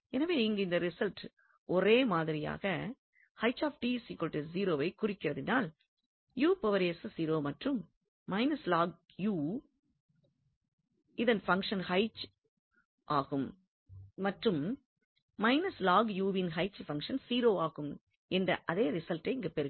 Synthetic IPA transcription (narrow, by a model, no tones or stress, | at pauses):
ɛnɐʋeːɪŋɡɐɪnd̪ɐɾɪsɐlʈ | ʔɔɾeːmaːðɪɾɪja̰ːɣɐ | hɐɪt͡ʃːaːfʈiːsiːkɔlʈeziːɾoːʋɐɪkʊrɪkːɪrɐðɪnaːl | juːpɐʋɐɾeːssiːɾoːmɐʈrɯmː | ɐɪnɐslaːɡ | juː | ɪðɐnfɐŋkʂɐnhɐɪt͡ʃ | ʔaːɣɯmː | ɐʈrɯmː | ɐɪnɐslaːɡjuːʋɪnɦɐɪt͡ʃfɐŋkʂɐnsiːɾoːaːɣɯm | ɛndrɐ̰ʔɐðeːɾɪsɐlʈːɐɪɪŋɡɐpɛɾɯ